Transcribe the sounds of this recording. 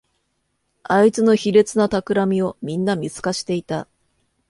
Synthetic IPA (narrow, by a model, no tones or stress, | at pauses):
ait͡sɨno̞çiɾe̞t͡sɨnat̪akɯ̟ɾamʲio̞mʲĩnːamʲit͡sɨ̥kaɕi̥t̪e̞it̪a